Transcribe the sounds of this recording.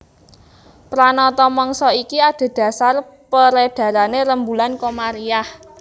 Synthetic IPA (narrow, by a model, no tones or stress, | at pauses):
pɾanɔt̪ɔmɔŋsɔikiad̪̥a̤d̪̥ä̤sarpəɾeɖ̪̥ä̤ɾaneɾəmbulankomaɾiah